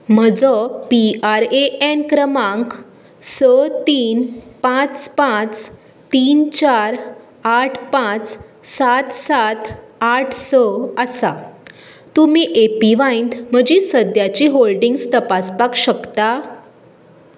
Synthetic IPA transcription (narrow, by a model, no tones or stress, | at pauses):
m̤əd͡zɔpiaɾeenkɾəmãŋk | sət̪iːnpãt͡spãt͡s | t̪iːnt͡ɕaɾ | aʈʰpãt͡s | sat̪sat̪ʰ | aʈʰsəəsa | t̪umiːʔepiʋãjnd̪m̤əd͡ʑisəd̪jat͡ɕiɦolɖiŋɡst̪əpaspakɕəkt̪a